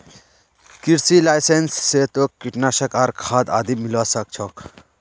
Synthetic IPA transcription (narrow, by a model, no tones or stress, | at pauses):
kiɾsilajsensːet̪okkːiʈnaʃəkaɾkʰad̪a̰ːd̪imilasək̚t͡ʃʰɔk